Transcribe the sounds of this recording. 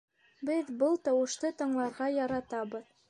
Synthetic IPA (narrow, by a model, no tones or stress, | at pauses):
bɘðbɤlˠt̪ɑwɤ̆ʃt̪ɤt̪ɤ̆ɴlˠɑɾʁɑjɑɾɑt̪ɑbɤð